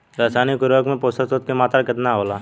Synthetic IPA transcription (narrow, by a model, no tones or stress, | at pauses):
ɾaːsaːnikʊɾʋəkmẽpoːsəsot̪̚kemaːt̪ɾakɪt̪naɦoːlaː